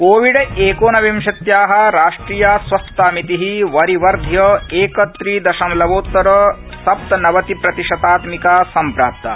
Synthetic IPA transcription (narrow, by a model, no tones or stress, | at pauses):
koːʋiɖeːkoːnɐʋimʃɐt̪jaːɦɐ̆ɾaːʂʈɾiːjaːsʋɐst̪aːmit̪iɦiʋɐɾiʋɐɾd̪ʱjɐeːkɐt̪ɾiːd̪ɐʃɐmlɐʋoːt̪ːɐɾɐ | sɐpt̪ɐnɐʋɐt̪ipɾɐt̪iʂɐt̪aːt̪mikaːsɐmpɾaːp̚t̪ɐ̰